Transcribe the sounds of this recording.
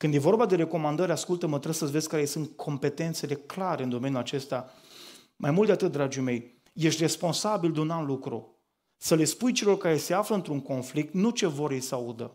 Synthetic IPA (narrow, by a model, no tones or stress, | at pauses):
kɨnd̪jevo̞rbad̪e̞ɾe̞ko̞mand̪əɾʲaskult̪əmət̪ɾəsəvez̥ʲkaɾesɨnt̪kʰo̞mpe̞t̪e̞nt̪se̞le̞klaɾeɨnd̪o̞me̞njulat͡ʃest̪a | majmult̪d̪eat̪ɨt̪̚d̪ɾad͡ʒime̞j | je̞ʃt̪ʲre̞spo̞nsabild̪unaunlukɾṵ | səle̞spujt͡ʃe̞lo̞rkaɾe̞se̞afləɨnt̪ɾuŋko̞nflik̚t̪nut͡ʃe̞vo̞ɾjejsəaud̪ə̰